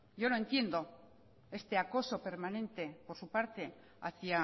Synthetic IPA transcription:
ɟ͡ʝo̞noe̞nt̪je̞nd̪o̞ | e̞st̪e̞ako̞so̞pe̞ɾmanẽ̞nt̪e̞po̞ɾsupaɾt̪e̞ | a̰θia

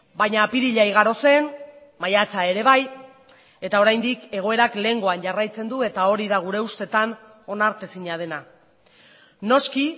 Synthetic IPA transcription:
bajɲaːpiɾiʎajɣ̞aɾo̞se̞n | majat͡sae̞ɾe̞βaj | e̞t̪ao̞ɾajnd̪ike̞ɣ̞o̞e̞ɾakle̞ŋɡo̞anʝarajt͡se̞nd̪ue̞t̪ao̞ɾiðaɣ̞uɾe̞ust̪e̞t̪an | o̞naɾt̪esiɲað̞e̞na | no̞ski

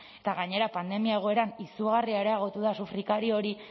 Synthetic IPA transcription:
et̪aɣaɲe̞ɾapand̪e̞miae̞ɣ̞o̞e̞ɾanisuɣariaeɾeaɣ̞o̞t̪uðasufɾikaɾio̞ɾi

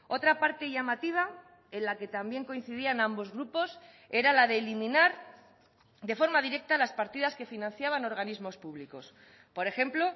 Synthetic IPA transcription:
o̞t̪ɾapaɾt̪e̞ʝamat̪iβ̞a | e̞nlake̞t̪ambje̞ŋko̞in̟θiðianambo̞zɣɾupo̞s | e̞ɾalaðe̞ːlimĩnaɾ | d̪e̞fo̞ɾmaðiɾe̞k̚t̪alaspaɾt̪iðaske̞finãn̟θjaβ̞ano̞ɾɣ̞anizmo̞spuβliko̞s | po̞ɾe̞xe̞mplo̞

